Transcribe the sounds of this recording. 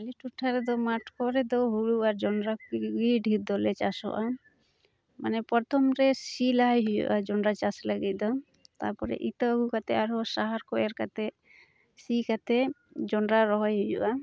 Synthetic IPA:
aliʈuʈʰːaɾɛd̪ɔmaʈʰkɔɾɛd̪ɔɦuɽuaɾd͡ʒɔnɾaɡiɖʱiɾd̪ɔlɛt͡ʃasɔ̰ʔa | manɛpɔɾt̪ʰɔmɾɛsilaɦajɦujṵʔad͡ʒɔɳɾat͡ʃasləɡit̪̚ˀd̪ɔ | t̪a̰ɾpɔɾɛ̰ʔit̪ɔəɡukat̪ɛaɾɦɔsaɦaɾkɔʔɛɾkat̪ɛ | sikat̪ɛd͡ʒɔɳɾaɾɔɦɔjɦujṵʔa

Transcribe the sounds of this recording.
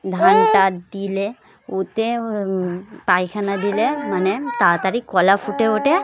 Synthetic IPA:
d̪ʱaɳʈad̪ile | ut̪e | pajkʰanad̪ilemɐnet̪aːt̪aɾikɔlafuʈeoʈe

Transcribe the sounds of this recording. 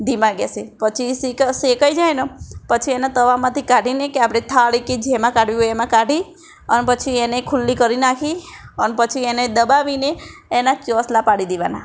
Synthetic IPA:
d̪ʱimãɡesepət͡ʃʰisiksekəjd͡ʒajnəpət͡ʃʰienat̪əʋamãt̪ʰikaɖʱinekeapɽ̃et̪ʰaɭiked͡ʒemãkaɖʋiɦojemãkaɖʱi | ənepət͡ʃʰienekʰulːikəɾinakʰiənepət͡ʃʰiened̪əbaʋineːnat͡ʃɔslapaɽid̪eʋa̰na̰

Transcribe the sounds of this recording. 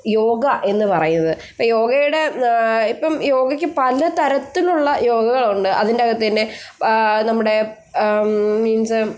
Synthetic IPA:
jo̞ːɡɐʔe̞nːɨpɐrɐjunːɐðɨ | pːɐjo̞ːɡɐjuɽe̞ipːɐmjo̞ːɡɐkʲːɨpɐlɐt̪ɐɾɐt̪ːiluɭːɐjo̞ːɡɐɣɐɭuɳɖɨʔɐ̰ðindeɐɡɐt̪ːɐnːe | nɐmːuɽe̞ | miːns

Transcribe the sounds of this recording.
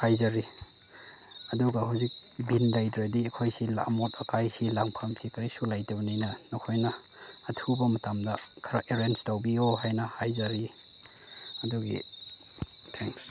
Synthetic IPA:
hajzɐɾi | ɐduɡɐhawzik̚ | binlajdɾadiekʰojsila̰motɐkajsilaŋpʰamkʰikʰɐɾisulajtɐwnijnɐnokʰojnɐː | tʰubɐmɐtamdɐ | kʰɐɾaʔeɾenstawbioɦajnɐhajzɐɾi | ɐduɡḭ | tʰeŋs

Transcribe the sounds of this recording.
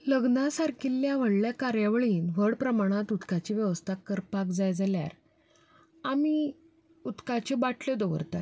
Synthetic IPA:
ləɡnasaɾkʰilːjaʋ̤əɽljakaɾjaʋəɭiːnʋəɽpɾəmaɽ̃at̪ut̪kat͡ɕiʋjəʋəst̪ʰakːəɾpakd͡zajd͡zalja̰ɾ | ami | ut̪kat͡ɕebaʈʰled̪ɔʋə̰ɾt̪a

